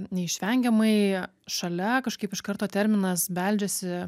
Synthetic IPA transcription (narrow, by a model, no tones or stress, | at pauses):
nʲɛɪʃʲʋʲɛŋʲɡʲɛmɐɪ | ʃɐlʲɛkɐʃkɐɪpɪʃkɐɾt̪oːt̪ʲɛɾʲmʲɪnɐsbʲɛlʲd͡ʒʲɛsʲɪ